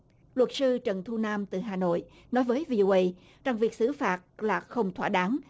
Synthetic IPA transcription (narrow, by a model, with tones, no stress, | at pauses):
lwə˨˩t̚sɨ˧t͡ɕə˨˩nt̪ʰu˧naː˧mt̪ɨ̰˨˩ɦaː˨˩no̰˧˨j | nɔ˨˦jvəː˨˦jvi˧ʔo˧ʔə˧j | t͡ɕa˧˩ŋvi˨˩ək̚sɨ˧˩˦faː˨˩t̚laː˨˩xə˧wŋ͡mt̪ʰwa̰ː˧˩ɗaː˨˦ŋ